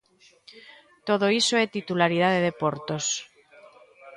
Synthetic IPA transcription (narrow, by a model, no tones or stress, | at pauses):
t̪oð̞oisoet̪it̪ulaɾið̞aðeðepoɾt̪os